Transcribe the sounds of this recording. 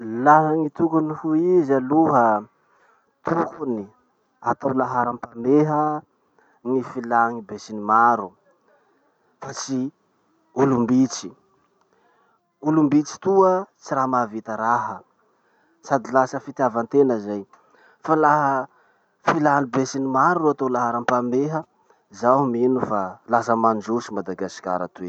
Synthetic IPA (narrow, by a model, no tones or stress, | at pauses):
laɦaŋit̪ukunihuizaluɦə | t̪ukuni | at̪awlaɦaɾampameɦə | ŋifilaŋibesinimaɾu | fat͡si | ulumbit͡si̥ | ulumbit͡si̥t̪uət͡siɾaɦmavit̪əɾaɦə | sad̪ilasəfit̪javant̪enəzaj | falaɦə | filanibesinimaɾuuat̪olaɦəɾampameɦə | zahuminufalasəmand͡ʒusimad̪aɡaskʲa̰ɾa̰t̪ue